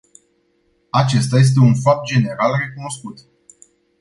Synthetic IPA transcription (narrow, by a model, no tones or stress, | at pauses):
at͡ʃe̞st̪aje̞s̬t̪̬e̞unfap̚t̪̚d͡ʒe̞ne̞ɾalre̞kuno̞skut̪